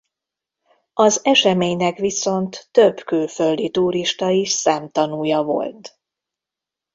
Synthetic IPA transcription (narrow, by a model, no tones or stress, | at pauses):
ɒzɛʃɛmeːɲnɛkʋiso̞nt̪ːøbkyːlføld̪it̪uːɾiʃt̪ɒiʃsɛːmt̪ɒnuːjɒvo̞̰lt̪